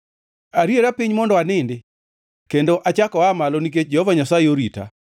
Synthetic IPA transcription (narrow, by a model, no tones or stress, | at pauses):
aɾjeɾapiɲmɔndɔanɪndɪ | kendoʔat͡ʃakɔamalonik̬et͡ʃd͡ʒɛhɔvaɲasajeoɾita̰